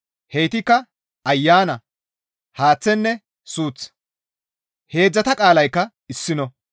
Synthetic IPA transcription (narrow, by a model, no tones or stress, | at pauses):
hejt̪ɪkːɐ | ɐjːaːnɐ | haːt͡sːɛnːɛ | suːt͡s | he̞ːd͡zːɐt̪ɐkʼaːlɐjkːɐ | ɪsːɪnɔ